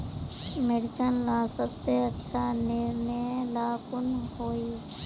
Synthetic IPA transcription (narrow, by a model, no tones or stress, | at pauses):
mɪɽɪt͡ʃənlaːsəbseətːʃʰanɪɾnəlaːkʊnɦoːi